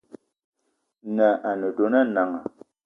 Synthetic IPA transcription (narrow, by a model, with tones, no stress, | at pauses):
nə˨ʔa˨nə˨do˨˦na˦na˨ŋa˨